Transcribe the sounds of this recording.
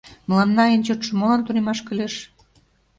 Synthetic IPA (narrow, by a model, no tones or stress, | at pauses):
mə̆lɑnːɑent͡ɕot̪ʃɤ̆molɑnt̪uɾemɑʃkə̆lʲeʃ